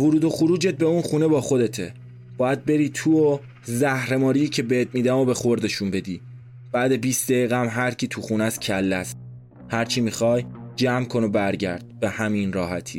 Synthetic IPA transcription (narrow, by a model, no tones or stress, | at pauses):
voɾuːd̪o̞xuɾuːd͡ʒet̪̚be̞unxuːnebɒːxo̞d̪e̞t̪ʰe | b̥ɒːjæd̪̚be̞ɾiːt̪ʰuːo | zæhɾe̞mɒːɾiːcʰe̞beet̪̚miːd̪æmo̞be̞xo̞ɾd̪eʃumbe̞d̪iː | b̥æːd̪e̞biːst̪d̪eɣiːɣææmɦæɾcʰiːt̪ʰuxunæscʰælːæst̪̚ | hæɾt͡ʃʰimixɒːjd͡ʒæːmkʰo̞no̞bæɾɟæ̰ɾd̪̥̚be̞hæminɾɒːhæt̪ʰḭː